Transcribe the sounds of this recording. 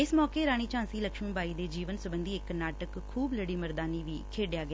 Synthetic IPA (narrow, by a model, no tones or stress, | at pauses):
ɪsmɔːkeːɾaːɽ̃iːt͡ʃãːnsiːləkʃmĩːbaːiːd̪eːd͡ʒiːʋənsʊbənd̪iːɪkːənaːʈəkʰːuːbləɽiːməɾd̪aːniːʋiːkʰeːɖɪjaːɡɪjaː